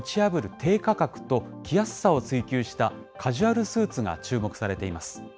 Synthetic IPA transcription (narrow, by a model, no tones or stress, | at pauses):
t͡ɕiabɯ̟ɾɯ̟t̪ʰe̞ːkakakɯ̟̥t̪o̞kʲʰiasɨ̥sao̞t͡sɨikʲɨːɕi̥t̪a | kʰaʑɨaɾɯ̟sɨːt͡sɨɡa̰t͡ɕɨːmo̞kɯ̟saɾe̞t̪e̞imasɨ̥